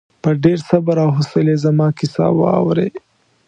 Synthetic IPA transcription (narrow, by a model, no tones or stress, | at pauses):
pəɖeɾsəbaɾɑxusəlezamɑkɪsɑ̰wɑ̰wɾe